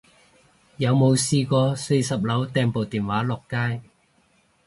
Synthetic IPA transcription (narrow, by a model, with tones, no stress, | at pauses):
jɐ˨˧wmo˨˧wsiː˧kʷɔː˧se˧jsɐ˨p̚lɐ˨˥wt̪ɛː˧ŋpo˨˩wt̪iː˨˩nwaː˨˥lɔː˨˩kːaː˥j